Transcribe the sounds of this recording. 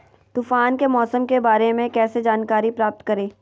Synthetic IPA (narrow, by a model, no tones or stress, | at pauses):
t̪ufaːnkemɔːsəmkebaːɾemẽkɛːsed͡ʒaːnkaːɾipɾaːp̚t̪kɐɾeː